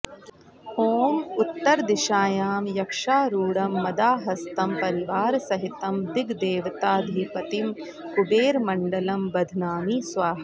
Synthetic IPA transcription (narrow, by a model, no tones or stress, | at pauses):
hoːmut̪ːɐɾd̪iʃaːjaːmjɐkʂaːɾuːɽɐmːɐd̪aːɦɐst̪ɐmpɐɾiʋaːɾsɐɦit̪ɐmd̪iɡd̪eːʋɐt̪aːd̪ʱipɐt̪im | kubeːɾmɐɳɖɐlɐmbɐd̪ʱnaːmiːsʋaːɦɐ